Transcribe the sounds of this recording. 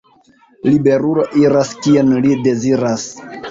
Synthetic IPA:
libe̞ɾulo̞ʔiɾaskienlide̞ziɾas

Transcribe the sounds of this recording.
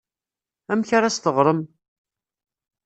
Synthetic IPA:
æmçaɾast̪əʁɾˤəm

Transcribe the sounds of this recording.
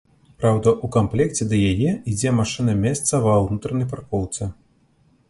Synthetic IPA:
pɾawd̪ɐʔukamplʲɛkt͡sʲɛd̪ɐjajɛid͡zʲɛmaʂɨnɐmʲɛst̪sɐvɐwnut̪ɾɐnɐjp̬arkɔwt̪sɛ

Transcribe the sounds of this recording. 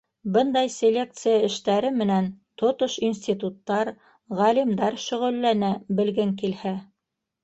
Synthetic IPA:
bɤnd̪ɑjsʲelʲe̞k̚t̪sɨjaɘ̆ʃt̪æɾɘmɘ̆nænt̪ŏt̪oʃinsʲt̪ʲit̪ut̪ːɑɾ | ʁælimd̪ɑɾʃɵ̆ʁɵ̆lːænæbɘ̆lɡɘŋkilhæ

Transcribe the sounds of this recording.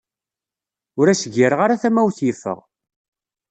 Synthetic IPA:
ʊɾæsəɡiɾəʁaɾaθæmæwθjifə̰ʁ

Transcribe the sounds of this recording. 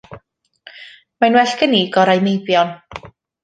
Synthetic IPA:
manwɛɬɡəniːɡɔɾajmejbjɔn

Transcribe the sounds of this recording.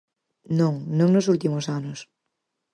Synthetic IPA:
nõŋnõŋnos̬ult̪imosanos

